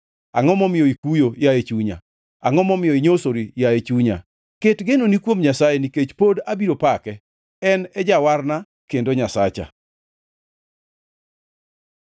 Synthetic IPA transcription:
a̰ŋɔmɔmɪjɔikujojaet͡ʃuɲa̰ | aŋɔmɔmɪjɔiɲosoɾijaet͡ʃuɲa̰ | ketɡenonikwomɲasajeniket͡ʃpodabiɾopakɛ | ɛnɛd͡ʒawarna | kendoɲasat͡ʃa̰

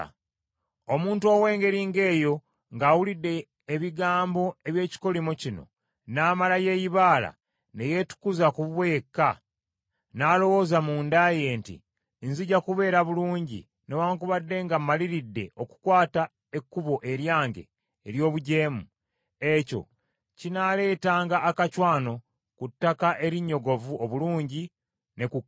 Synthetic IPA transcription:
o̞muːntuoːwe̞ːŋɡe̞ɾiːŋɡe̞ːjo̞ | ŋɡaːwulidːe̞ː | βiɡaːmbo̞e̞βje̞ːci̥ko̞limocino̞̰ | naːmalaje̞ːjiβaːla̰ | ne̞je̞tu̥kuzakuββwe̞kːa | naːlo̞wo̞ːzamuːndaje̞ːntḭ | nziɟakuβe̞ːɾaβuluːɲɟḭ | newaːŋkuβadːe̞ŋɡamːaliɾidːe̞̰ʔo̞ku̥kwaːta | ekːuβo̞ʔe̞ɾjaːŋɡe̞̰ː | ɾjo̞ːβuɟe̞ːmu | e̞co̞̰ | cinale̞ːtaːŋɡaːkacwaːno̞ | kutːakaʔe̞ɾiɲːo̞ɡo̞vuo̞βuluːɲɟi | ne̞ku

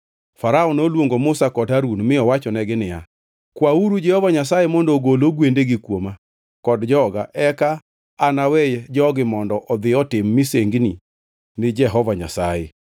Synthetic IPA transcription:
faɾaɔnolwoŋɡomʊsakɔdaɾunmɪɔwat͡ʃɔnɛɡɪnɪja̰ | kwauɾud͡ʒɛhɔvaɲasajemɔndoɡoloɡwendeɡɪkwoma | kɔdd͡ʒɔɡaʔɛkaː | nawɛjd͡ʒɔɡɪmɔndɔʔɔd̪ɪɔtɪmːɪseŋɡni | nɪd͡ʒɛɦɔvaɲa̰sajḛ

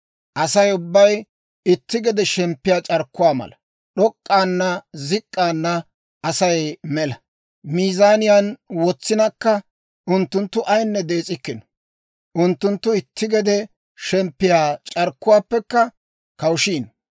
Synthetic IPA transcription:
ʔɐsɐjʊbːɐj | ɪt̪ːɪɡɛd̪ɛʃɛmpːɪjaːt͡ʃʼɐɾkːʊwaːmɐ̰lɐ | ɗɔkʼːaːnːɐzɪkʼːaːnːɐ | ɐsɐjmɛlɐ | miːzaːnɪjaːnwɔt͡sːɪnɐkːɐ | ʊnt̪ːʊnt̪ːʊʔɐjnːɛd̪e̞ːt͡sʼɪkːɪnɔ̥ | ʔʊnt̪ːʊnt̪ːʊɪt̪ːɪɡɛd̪ɛ | ʃɛmpːɪjaːt͡ʃʼɐɾkːʊwaːpːɛkːɐ | kɐwʃiːn

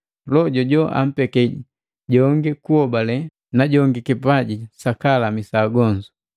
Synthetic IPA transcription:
lɔɟɔɟɔʔa̰m̩pɛkɛɟi | ɟɔŋɡikuɔbalɛ | naɟɔŋɡikipaɟisakalamisaɡɔɲd͡ʒu

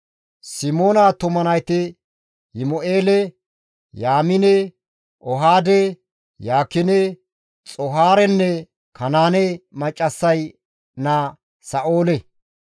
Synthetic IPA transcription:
sɪmoːnat̪ʊmɐnɐjt̪ɪ | hɪmɔʔeːlɛ | jaːmɪnɛ | ʔɔɦaːd̪ɛ | jaːkːɪnɛ | t͡sʼɔɦaːɾɛnːɛ | kʰɐnaːnɛmɐt͡ʃʼːɐsːɐj | na | sɐʔoːlɛ

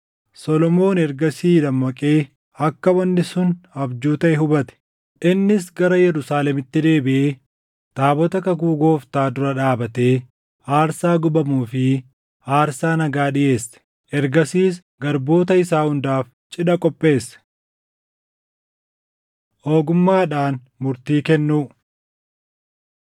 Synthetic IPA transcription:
sɔlɔmo̞ːnɛɾɡɐsiːd̪ɐmːɐkʼe̞ː | ɐkːɐwɐnːɪsʊnɐbd͡ʒuːt̪ɐʔɛɦʊbɐt̪ɛ̥ | ᶑɪnːɪs̬ɡɐɾɐjɛɾʊsaːlɛmɪt̪ːɪd̪e̞ːbɪʔeː | t̪aːbɔt̪ɐkɐkuːɡo̞ːft̪aːd̪ʊɾɐᶑaːbɐt̪e̞ː | aːɾsaːɡʊbɐmuːfɪ | aːɾsaːnɐɡaːᶑɪje̞ːsːɛ̥ | ʔɛɾɡɐsiːs | ɡɐɾbo̞ːt̪ɐɪsaːhʊnd̪aːf | t͡ʃʼɪᶑɐkʼɔpʼːe̞ːsɐ̥ | ʔo̞ːɡʊmːaːᶑaːn | mʊɾt̪iːkɛnːuː

